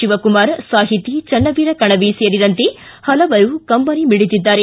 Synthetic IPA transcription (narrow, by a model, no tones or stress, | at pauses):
ʃiʋɐkumaːɾsaːɦit̪it͡ʃɐnːɐʋiːɾɐkɐɳɐʋisejɐɾid̪ɐnt̪e | hɐlɐʋɐɾukɐmbɐnimiɽit̪id̪ːaːɾe